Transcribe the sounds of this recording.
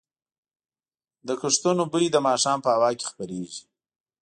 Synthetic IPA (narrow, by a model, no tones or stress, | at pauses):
d̪əkəʂt̪unobəid̪əmɑːʃɑːmpəawɑːke̥xpəɾeʒi̥